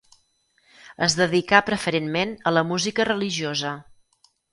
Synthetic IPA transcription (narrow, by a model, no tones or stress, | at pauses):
əzðəðikapɾəfəɾenmenələmuzikərəliʒiozə